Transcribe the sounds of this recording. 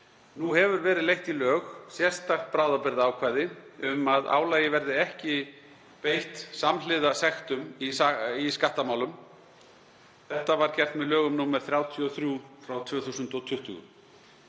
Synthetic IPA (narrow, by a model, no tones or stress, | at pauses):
nuhɛvʏɾvɛːɾɪðlejht̪ilœːxsjɛ̥st̪ax̚pɾaːwðapɪɾðaaːwkʰvaːjðɪʏmaða̰ːwlaːjɪvɛɾðɪɛhcɪ | pejht̪samlɪðasɛxt̪ʏmisaiskaht̪amaːwlʏm | θɛht̪avaɾcɛr̥t̪mɛðlœːɣʏmnuːmɛɾ̥θɾjaːwt̪ʰiɔθɾjuːfɾawt̪ʰvʏːθusʏnt̪ɔt̪ʰʏht̪ʏ̰ɣʏ̰